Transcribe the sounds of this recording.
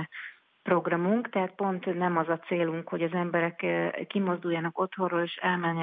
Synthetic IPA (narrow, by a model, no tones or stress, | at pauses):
pro̞ɡrɒmuŋkt̪ɛɦat̪̚po̞nt̪nɛmɒzɒt̪seːluŋkho̞ɟɒzɛmbɛɾɛkːimo̞zd̪ujːaːnɒko̞t̪ho̞roleːʃɛlmɛɲː